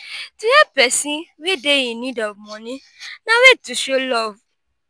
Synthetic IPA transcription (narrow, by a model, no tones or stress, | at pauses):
tujɛpɛsĩwedejĩnĩdɔvmɔ̃nĩ | nãwetuʃolɔv